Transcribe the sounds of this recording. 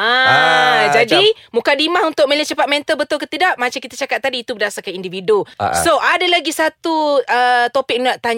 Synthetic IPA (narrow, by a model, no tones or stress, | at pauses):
a | d͡ʒadimukadimahunt̪ʊk̚mələt͡ʃəpat̪̚mɛ̃nt̪əlbət̪ʊlkət̪idaʔmat͡ʃakit̪at͡ʃakat̪̚ːadiːt̪ubədasarkanindividusoʔadalaɡisat̪uət̪opɪk̚naʔt̪aɲ